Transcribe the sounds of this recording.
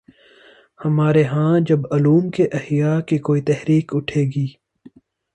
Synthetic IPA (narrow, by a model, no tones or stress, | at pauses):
hɐmaːɾeɦãːd͡ʒɐbɐluːmkeʔɐhjaːkikoːit̪ɛɦɾiːkʊʈʰeːɡiː